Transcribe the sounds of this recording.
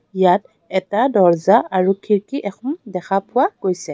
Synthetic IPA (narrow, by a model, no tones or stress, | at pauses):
ijat̚ | ɛtadɔɹzaʔaɹukʰiɹkiʔɛxɔmdɛxʰapʊwaɡojsɛ